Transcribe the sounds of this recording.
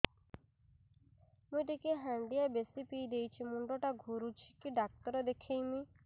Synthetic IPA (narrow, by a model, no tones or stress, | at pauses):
mũjt̪ikeɦãɳɖijabesipijd̪ejt͡ʃʰimuɳɖɔʈaɡʱuɾut͡ʃʰi̥kiɖak̚t̪ɔɾɔd̪ekʰejmi